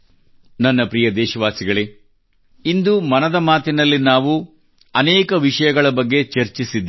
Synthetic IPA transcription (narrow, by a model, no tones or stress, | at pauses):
nɐnːɐpɾijɐd̪ɛːʃɐʋaːsiɡɐɭe | ind̪umɐnɐd̪ɐmaːt̪inɐlːinaːʋu | ɐnɛːkɐʋiʂɐjɐɡɐɭɐbɐɡːe̞t͡ʃɐɾt͡ʃisid̪ː